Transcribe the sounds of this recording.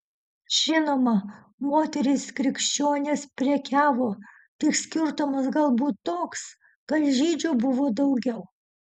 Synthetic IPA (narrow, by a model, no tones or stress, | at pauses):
ʒ̥ʲɪnoːmɐ | moːt̪ʲɛɾʲɪskɾʲɪkʃʲt͡ʃʲoːnʲeːspʲɾʲɛkʲæːʋoː | t̪ɐɪksʲkʲɪɾt̪omɐsɡɐlˠbuːt̪t̪ːoːks | kɐlʲʒʲiːd͡ʒʲuːbʊʋoːd̪ɐʊɡʲɛʊ